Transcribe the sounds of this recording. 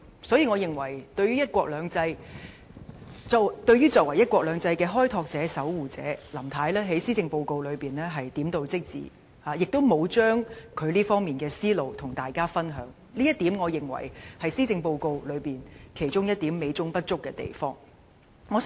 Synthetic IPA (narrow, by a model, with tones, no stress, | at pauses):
sɔː˨˥jiː˨˧ŋɔː˨˧jɪ˨ŋwɐ˨˩jt̪ɵ˧ɥyː˥jɐ˥t̚kʷɔː˧k̚lœː˨˧ŋt͡sɐ˧j | t͡sɔ˨˧t̪ɵ˧ɥyː˥t͡sɔː˧˨kwɐ˨˩jɐ˥t̚kʷɔː˧k̚lœː˨˧ŋt͡sɐ˧jkɛː˧ɦɔː˥jt̪ʰɔː˧k̚t͡sɛː˨˥sɐ˨˥wwuː˨t͡sɛ̰ː˨˥lɐ˨˩mt̪ʰaː˨˥jlɛː˥ɦe˨˥jsiː˥t͡sɪ˧ŋpo˧wko˧wlɵ˨˧ɥpiː˨˩nlɛː˥ɦɐ˨jt̪iː˨˥mt̪o˧wt͡sɪ˥k̚t͡sḭː˨ | aː˨jɪ˨k̚t̪o˥wmo˨˧wt͡ʃœː˥ŋkʰɵ˨˧ɥliː˥fɔː˥ŋmiː˨˩nkɛː˧siː˥lo˨˧wt̪ʰʊ˨˩ŋt̪aː˨˩jkaː˥fɐ˥nɦœ̰ː˨˥ŋ | liː˥jɐ˥t̪iː˨˥mŋɔː˨˧jɪ˨ŋwɐ̰˨˩jhɐ˨jsiː˥t͡sɪ˧ŋpo˧wko˧wlɵ˨˧ɥpiː˨nkʰe˨˩jt͡ʃʊ˥ŋjɐ˥t̚t̪iː˨˥mːe˨˧jt͡sʊ˥ŋpɐ˥t̚t͡ʃʊ˥kːɛː˧t̪ḛ˨jfɔː˥ŋ | ŋɔː˨˧